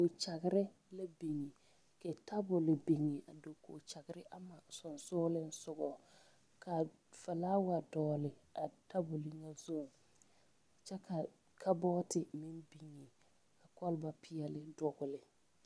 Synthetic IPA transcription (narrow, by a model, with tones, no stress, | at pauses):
ko˨t͡ʃa˨ɡɪ˨ɾɪ˦ | la˦bi˨ŋi˨ | kɛ˨ta˦bʊ˨lɪ˨bi˨ŋi˨ʔa̰˨do˨ko̰˨t͡ʃa˨ɡɪ˨˦ɾɪ˦ʔa˦ma˨sʊ˨nsʊː˦lɪ˦n̩˦sʊ˨ɡɔ˨ | kʰa˨ | fa˨laː˦wa˨dɔː˨lɪ˨a˨ta˦bʊ˨lɪ˨ŋa˦zo˦˨ | t͡ʃɛ˦kʰa˨ | kʰa˦bɔː˦tɪ˨mɪ˦nbi˨ŋːɪ˨ | ka˨kɔ˦lba˨pʰɪ˦ɛ˨lɪ˦dɔ˨ɡʊ˨lɪ˨